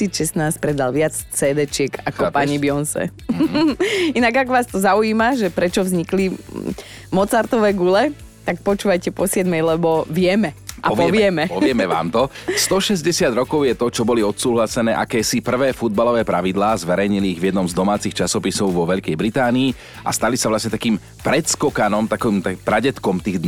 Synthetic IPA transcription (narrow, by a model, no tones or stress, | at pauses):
iːt͡sʃɛsnaːsc̚pɾɛd̪alʋɪat͡st͡sɛːd̪ɛt͡ʃɪɛkakɔpaɲibɪɔnsɛ̰ | inaɡakɔʋaːst̪ɔzauiːmaʒɛpɾɛt͡ʃɔvzɲikli | mɔt͡saɾt̪ɔʋɛːɡulɛ | t̪ak̚pɔt͡ʃuːʋajcɛpɔsɪɛd̪mɛjlɛbɔʋɪɛmɛʔapɔʋɪɛmɛpɔʋɪɛmɛʋa̰ːmt̪ɔst̪ɔʃɛzɟɛsɪad̪ɾɔkɔʊjɛt̪ɔt͡ʃɔbɔliɔt̪suːɦlasɛnɛːʔakɛːsipr̩ʋɛːfud̪̚balɔʋɛːpɾaʋid̪laːzʋɛɾɛjɲiliːɣʋjɛd̪nɔmzd̪ɔmaːt͡sixt͡ʃasɔpisɔʊʋɔʋɛʎkɛjbɾit̪aːniː | ʔa̰st̪alisaʋlasɲɛt̪akiːm | pɾɛt̪skɔkanɔmt̪akɔiːmt̪apɾaɟɛt̪kɔmt̪iːɣd̪